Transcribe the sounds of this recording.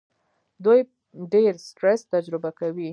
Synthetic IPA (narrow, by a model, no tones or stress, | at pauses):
d̪uj | ɖeɾsʈɾest̪ad͡ʒɾɪbakawi